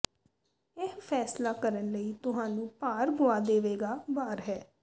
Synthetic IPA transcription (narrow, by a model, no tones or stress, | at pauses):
ɪɦpʰɛːslaːkəɾənləiːt̪ʊɦãːnũːpaːɾɡʊaːd̪eːʋeːɡaːbaːɾɦɛː